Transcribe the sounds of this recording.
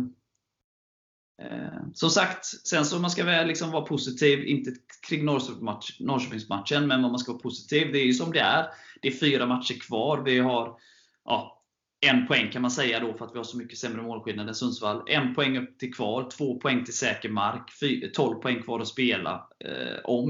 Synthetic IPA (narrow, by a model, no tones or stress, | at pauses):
sɔmsakt̪sɛnsɔmanskavɛlɪksɔmvɑːɾapʰʊsɪt̪ʰiːvɪ̰nt̪əkʰɾɪŋːnɔɾʂnɔɾʂøːpɪŋsmat̪ʂənmɛnvamanskavɑːɾpʰʊsɪ̥t̪ʰiːvd̪ɛːɾjɵsɔmd̪ɛæ̰ɾd̪̥ɛæɾfyːɾamat̪ʂəɾkʰvɑːɾvɪɦaɾ | ʔɑ | ɛnːpʰɔɛŋːkʰanmansɛjːad̪ɔfœɾat̪vɪhaʂɔmʏkːəsɛmɾəmoːlɧɪlnad̪ɛnsɵnsvalːɛ̰npʰɔɛŋːɵpːt̪ʰɪlkʰvɑːɾt̪ʰv̥oːpʰɔɛŋːt̪ʰɪlsɛːkəɾmaɾkfyːt̪ʰɔlvpʰɔɛŋːkʰvɑːɾɔspeːla̰ | ɔm